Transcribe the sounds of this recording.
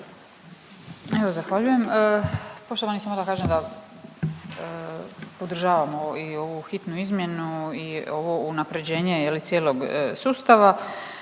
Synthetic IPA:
e̞ʋozaxʋaʎuje̞məpo̞ʃt̪oʋanisemod̪akaːʒemd̪a | pod̪r̩ʒaːʋamo̞io̞ʋuxit̪nuizmje̞nuio̞ʋo̞unapɾe̞d͡ʑe̞ːɲe̞jelit̪sje̞ːlo̞ɡ̰suːst̪aʋa

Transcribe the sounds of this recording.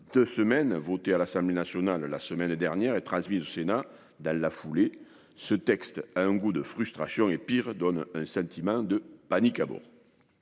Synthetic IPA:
d̪øsəmɛnvot̪ealasɑ̃mblenasjɔnalːa̰səmɛnd̪ɛʁnjɛʁet̪χɑ̃smizosena | d̪ɑ̃lafule | sət̪ɛkst̪aɛ̃ŋɡud̪əfχyst̪χasjɔ̃epiʁd̪ɔnɛ̃sɑ̃t̪ʰimɑ̃d̪əpanikabɔ̰ʁ

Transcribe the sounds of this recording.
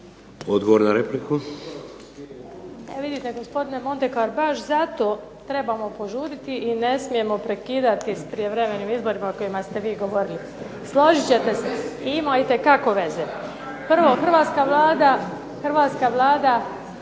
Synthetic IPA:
od̪ɡoʋoɾnaɾepliku | eʋid̪it̪e̞ɡo̞spo̞d̪ine̞mo̞nt̪e̞kaɾbaʃzat̪o̞ː | t̪ɾe̞bamo̞po̞ʒuɾit̪iʔine̞smije̞mo̞pɾe̞kiːd̪at̪ispɾije̞ʋɾeme̞niːmizbo̞ɾimako̞jimast̪e̞ʋiːɡo̞ʋo̞ɾili | slˠoʒit͡ɕe̞t̪e̞seimajit̪e̞kako̞ʋe̞ze | pr̩ʋo̞xr̩ʋaːt̪skaʋlˠaːd̪a | xr̩ʋaːt̪skaʋlˠaːd̪a

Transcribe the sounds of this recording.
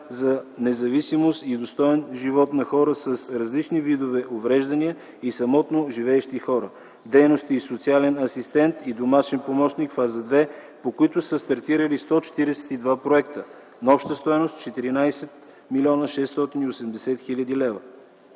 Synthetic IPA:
zɐnɛzɐvisimost̪id̪ost̪ɔɛnʒivɔt̪nɐxɔɾəsəsɾɐzlit͡ʃnivid̪ovɛʔovɾɛʒd̪ɐniə | isɐmɔt̪noʒivɛːʃt̪ixɔɾə | d̪ɛjnost̪iːsot̪sialɛnɐsist̪ɛnt̪id̪omat͡ʃɛnpomɔt͡ʃnikfazəd̪vɛ | pokoit̪ʊsəst̪ɐɾt̪iɾəlist̪ɔt͡ʃɛ̥t̪iɾɛsɛ̥t̪id̪vapɾoɛkt̪ə | nɐɔpʃt̪əst̪ɔjnost̪t͡ʃɛt̪iɾinajsɛt̪ | milʲiɔnəʃɛst̪ɔt̪iniosɛmd̪ɛsɛt̪xilʲəd̪ilɛvə

